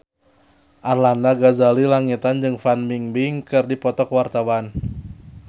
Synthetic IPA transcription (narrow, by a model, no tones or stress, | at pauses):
ʔarlandaɡazalilaŋit̪and͡ʒɨŋfanmiŋbiŋkɨrdipɔt̪ɔkwart̪awan